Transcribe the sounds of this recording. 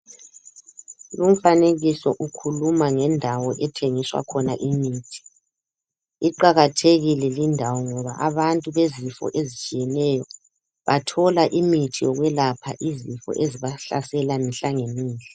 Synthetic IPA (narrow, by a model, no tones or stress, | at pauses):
lum̩faneɣisɔʔukʰulumaŋɛndʱawɔʔɛtʰeŋiswa̰kʰɔnaʔimiːtʰi̥ | iǃaɣatʰeɣilɛlindʱawɔŋɔβa̰ʔaβantʼuβezifɔ̰ʔezit͡ʃʼijɛnɛjɔ | βatʰɔlaʔimitʰijɔɣwɛlapʰaʔizifɔ̰ʔeziβaɬa̰sɛlamiɬaŋeniːlɛ